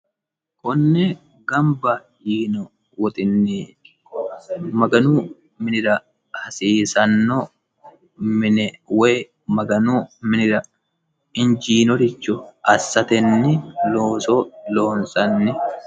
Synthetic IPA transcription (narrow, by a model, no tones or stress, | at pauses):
kʼɔnːɛ | ɡɐmbɐ | jiːnɔ | wɔt̪ʼɪnːɪ | mɐɡɐnuː | mɪnɪɾɐ | hɐsiːsɐnːɔ | mɪnɛweː | mɐɡɐnuːmɪnɪɾɐ | ɪnd͡ʒiːnɔɾɪt͡ʃːʊʔɐsːɐt̪ɛnːɪloːsoːlo̞ːnsʼɐnːɪ